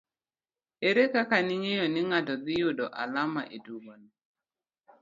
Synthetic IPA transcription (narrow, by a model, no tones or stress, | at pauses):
eɾekakanɪɲejɔnɪŋatɔd̪ɪjodɔʔa̰lamaʔeduɡoni